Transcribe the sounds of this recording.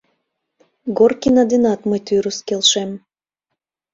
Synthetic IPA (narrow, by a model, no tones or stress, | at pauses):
ɡorkinɑd̪inɑt̪məjt̪yɾuskelʃem